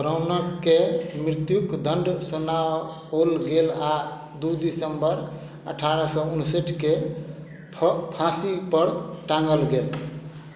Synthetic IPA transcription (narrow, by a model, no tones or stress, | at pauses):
bɾaʊnəkːemɾit̪jukd̪əɳɖsunawɦolɡela | d̪ud̪isəmbəɾ | ə̰ʈʰaɾəsɔunseʈʰke | pʰãsipəɽʈãŋɡəlɡel